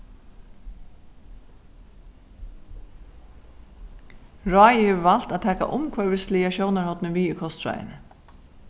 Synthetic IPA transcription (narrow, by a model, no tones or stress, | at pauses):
ɹɔːjɪheːʋəval̥t̪att̪ʰɛːka̰ʔʊmkʰvœːɹʋɪst̪lijaɕɔwnaɹhɔt̪nɪʋiːɪkʰɔst̪ɾa̰ːjɪ̰n